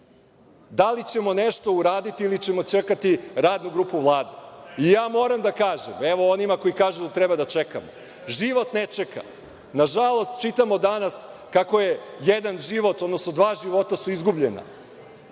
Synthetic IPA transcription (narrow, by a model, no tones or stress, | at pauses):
d̪alit͡ɕe̞mo̞neʃt̪o̞uɾaːd̪it̪iilit͡ɕe̞mo̞t͡ɕekat̪iɾaːd̪nuɡɾuːpuʋlˠaːd̪eijaːmo̞ːɾamd̪akaːʒemeʋo̞onimako̞ikaːʒud̪at̪ɾebad̪at͡ʃeka̰mo | ʒiʋo̞t̪net͡ʂeka̰ | naʒalˠo̞st̪t͡ʃit̪amo̞d̪anaskakojejed̪anʒiʋo̞t̪o̞d̪no̞sno̞d̪ʋaːʒiʋo̞t̪asuizɡubʎḛna̰